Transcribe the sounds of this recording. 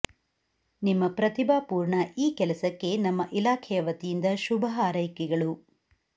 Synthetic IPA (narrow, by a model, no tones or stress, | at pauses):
nimːɐpɾɐt̪ibaːpuːɾɳɐʔiːkɛlɐsɐkːe̞nɐmːɐʔilaːkʰɛjɐʋɐt̪ijind̪ɐʃubʱɐɦaːɾɐjkɛɡɐɭu